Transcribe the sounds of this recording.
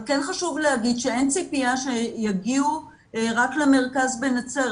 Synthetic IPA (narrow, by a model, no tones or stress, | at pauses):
kenχaʃuvlehaɡid̪ʃee̞nt͡sipijaʃejaɡiu | ʁakleme̞ʁkazbenat͡se